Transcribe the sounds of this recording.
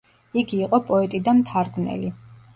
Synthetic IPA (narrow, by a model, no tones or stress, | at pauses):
iɡiːqʼɔpʼɔɛt̪ʼid̪amt̪ʰaɾɡvnɛ̰li